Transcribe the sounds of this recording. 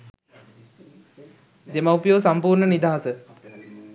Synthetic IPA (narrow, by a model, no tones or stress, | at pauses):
d̪emaupəjoːsampuːɾɳənid̪aːɦasə